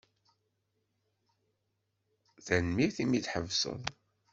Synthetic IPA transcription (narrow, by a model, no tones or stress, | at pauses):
ðænmiθimidħəvsə̰ðˤ